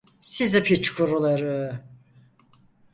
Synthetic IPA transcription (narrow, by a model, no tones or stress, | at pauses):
sizipʰit͡ʃkʰuɾulˠaɾɯ